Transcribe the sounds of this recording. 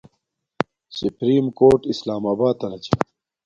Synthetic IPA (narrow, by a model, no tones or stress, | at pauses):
supɾiːmkoːɾʈislaːmaːbaːt̪ːɐnɐt͡ɕʰe